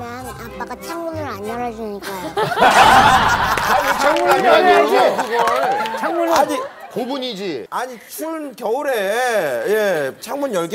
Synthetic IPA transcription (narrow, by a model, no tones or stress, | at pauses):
anapːaɡat͡ɕʰaŋmunɯɾaɲʌɾad͡ʑiɲik͈a | aɲit͡ɕʰaŋmuɾaɲaʌɾad͡ʑiɡot͡ɕʰŋmunaɲi | kobuɲid͡ʑiaɲit͡ɕʰunkjʌuɾejet͡ɕʰaŋmuɲjʌɭɡ